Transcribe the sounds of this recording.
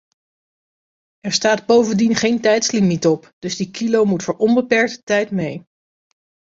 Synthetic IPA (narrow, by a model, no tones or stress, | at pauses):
ʔɛɹstaːdbowvəndinχejntɛjtslimitɔpd̥ɵzdikilowmutfʊːɹʔɔmbəpɛɹk̚tə̥tɛjtmej